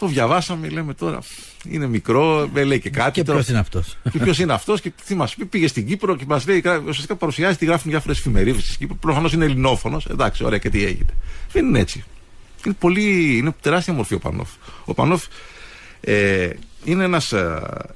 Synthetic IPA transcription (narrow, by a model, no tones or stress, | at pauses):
t̪o̞vʝɐvɐsɐmele̞me̞t̪o̞ɾɐ̰ | ḭne̞mikɾo̞meleicekɐt̪it̪oosnɐft̪osceço̞s̬ineɐft̪o̞scet̪imɐspipiʝe̞st̪iɟipɾo̞cemɐzle̞ikɐusiɐst̪ikɐpɐɾusiɐzit̪iɣɾɐfunðjɐfo̞ɾesfime̞ɾivisisɟipɾopɾofɐno̞sinelino̞fo̞no̞send̪ɐksio̰eɐcet̪iḛʝḭne̞ðeninee̞t͡si | ine̞po̞liine̞t̪e̞ɾɐst̪iɐmo̞ɾfio̞pɐ̰no̰fopɐ̰nof | eine̞enɐs